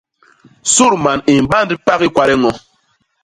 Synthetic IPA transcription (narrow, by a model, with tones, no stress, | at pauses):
su˦˨ɾma˨ni˨m˨ba˦ndi˦pa˦ki˦kwa˦ɾɛ˦ŋɔ˦